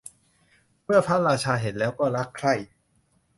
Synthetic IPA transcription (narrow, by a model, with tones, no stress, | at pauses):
mɯ˥˩ɐpʰa˦˥˩ɾaː˧t͡ɕʰaː˧ɦe˨˩˦nlɛː˦˥wkɔː˥˩ɾa˦˥kʰɾa˥˩j